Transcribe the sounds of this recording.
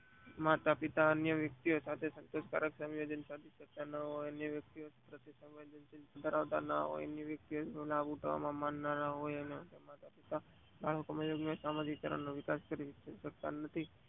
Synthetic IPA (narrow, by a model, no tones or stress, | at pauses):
mat̪apɪt̪aənjəʋjək̚t̪iosat̪ʰesənt̪oska̰ɾəksə̃mjod͡ʒənsad̪ʱiʃək̚t̪anəɦojənjəʋjək̚t̪iosḁt̪ɾət̪ʰisə̃mʋed͡ʒənt͡ʃɪnt̪ad̪ʱəɾaʋt̪a̰na̰ɦo̰jə̰njəʋjək̚t̪ijolabuʈʰʋa̰mãmanːanaɦojənet̪emat̪apit̪a | baɭ̤əkomãjoɡnəsamad͡ʒikkəɾə̰ɳnoʋɪkaskəɾiʋt͡ʃəʃək̚t̪a̰nət̪ʰi